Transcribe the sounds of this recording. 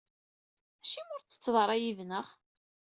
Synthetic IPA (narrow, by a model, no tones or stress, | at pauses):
æʃimʊɾt͡sːə̥t͡sːðˤəɾˤæjivnəχ